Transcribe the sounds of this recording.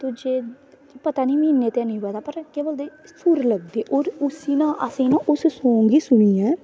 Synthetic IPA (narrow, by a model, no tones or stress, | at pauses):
t̪ʊd͡ʒeː | pət̪aːnĩːmĩːnːeːt̪eãːnĩːɦəd̪aːpəɾkeːboːld̪eːsʊɾləɡ̚d̪eːʔoːɾʊsiːnãːʔəsĩːnãːʔʊssõːŋɡiːsʊɳ̃ĩːɛː